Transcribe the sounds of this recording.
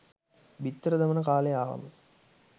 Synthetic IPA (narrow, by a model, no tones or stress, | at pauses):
bit̪ːɾəd̪ɐmɐnəkaːleaːʋɐ̰mə